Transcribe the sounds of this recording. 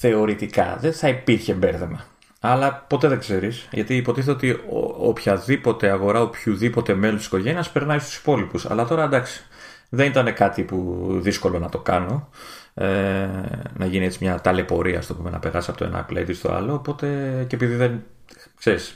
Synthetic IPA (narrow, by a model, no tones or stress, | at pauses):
θe̞o̞ɾit̪ikɐ̰ðenθɐipiɾçembeɾθe̞mɐ̰ː | lɐpo̞t̪e̞ðe̞ɡze̞ɾisʝɐ̰t̪iːpo̞t̪iθet̪ot̪io̰opçɐðipo̞t̪e̞ɐɣo̞ɾɐopçuðipo̞t̪e̞melusisko̞ʝe̞niɐspeɾnɐist̪u̥si̥po̞lipusɐ̰lɐt̪o̞ɾɐd̪ɐksi̥ | ðe̞nit̪ɐne̞kɐt̪ipuðisko̞lo̞nɐt̪o̞kɐno̞ | e | nɐʝinie̞t͡simɲɐt̪ɐle̞po̞ɾiɐ̰ːst̪opume̞nɐ̰pe̞ɾɐ̰sisɐpot̪oenɐ̰ɐ̰plḛt̪ist̪o̞̰ɐ̰lo̞ːpo̞t̪e̞cepiðiðen | kse̞ɾis